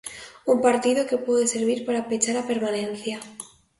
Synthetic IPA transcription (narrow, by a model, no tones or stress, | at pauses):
umpaɾt̪iðo̞ke̞pweðese̞ɾβiɾpaɾapet͡ʃaɾape̞ɾmanẽ̞n̟θja